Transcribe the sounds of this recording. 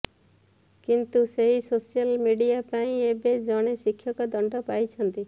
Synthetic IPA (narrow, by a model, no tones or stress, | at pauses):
kint̪useɦisosijalmiɖiapaĩebed͡ʒɔɽ̃esikʰːjɔkɔd̪ɔɳɖɔpajt͡ʃʰɔnt̪i